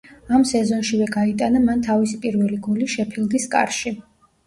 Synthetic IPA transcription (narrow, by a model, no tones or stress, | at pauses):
amsɛzɔnʃivɛɡait̪ʼanamant̪ʰavisipʼiɾvɛliɡuliʃɛpʰilˠɡiskʼa̰ɾʃi